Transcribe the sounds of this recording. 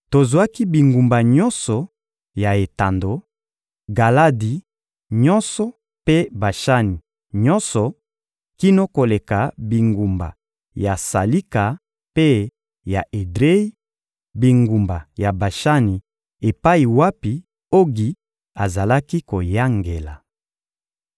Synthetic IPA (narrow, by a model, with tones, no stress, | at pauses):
to˨zwa˦ki˦bi˨ŋɡu˨mba˨ɲɔ˦nsɔ˨ | ja˨e˨ta˨ndo˨ | ɡa˨la˦di˨ | ɲɔ̃˦nsɔ˨ | pe˦ba˨ʃa˦ni˨ | ɲɔ˦nsɔ˨ | ki˦no˦ko˨le˨ka˨bi˨ŋɡu˨mba̰˨ | ja˨sa˨li˦ka˨ | pe˦ | ja˨ʔe˨dʁe˦i˦ | bi˨ŋɡu˨mba˨ja˨ba˨ʃa˦ni˨ | e˨pa˦i˨wa˦pi˨ | o˦ɡi˨ | a˨za˨la˦ki˦ko˨ja˦ŋɡe˨la̰˨